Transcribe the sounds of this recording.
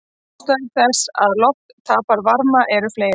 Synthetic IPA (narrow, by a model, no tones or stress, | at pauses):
st̪aɪθɛsa̰ðlɔhtt̪ʰaːpaɾvaɾmaʔɛɾʏfleːj